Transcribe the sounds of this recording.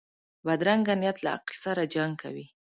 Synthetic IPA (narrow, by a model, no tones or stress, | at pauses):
bad̪ɾaŋɡanjat̪laa̰qlsaɾad͡ʒaŋɡkʰa̰wi